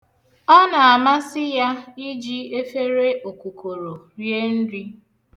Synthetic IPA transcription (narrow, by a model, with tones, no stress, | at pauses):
ɔ˦na˨a˨ma˦sɪ˦ja˦i˦d͡ʒi˦e˦fe˦ɾe˦o˨ku˨ko˨ɾo˨ | ɾje˦n̩˦di˦